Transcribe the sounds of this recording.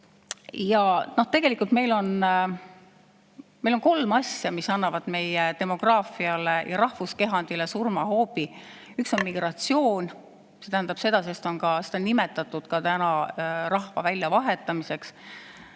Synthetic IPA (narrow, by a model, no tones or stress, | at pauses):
jɑno̞ht̪e̞ɡ̥e̞likult̪me̞jlo̞n | me̞jlo̞nko̞lmɑsjɑmisɑnːɑvɑd̪̥me̞jet̪e̞mo̞ɡ̥rɑːfiɑle̞jɑ̰ɾɑhvuske̞ɦɑnd̪̥ile̞surmɑɦo̞ːbi | ykso̞nmiɡ̥rɑt̪sio̞ːnʲ | se̞t̪æɦænd̪ɑb̥se̞d̪̥ɑsest̪o̞nkɑset̪ɑnːime̞t̪ːˑɑt̪ːˑud̪̥kɑt̪ænɑɾɑhvɑ̰vælʲjɑvɑɦe̞t̪ːˑɑmise̞ks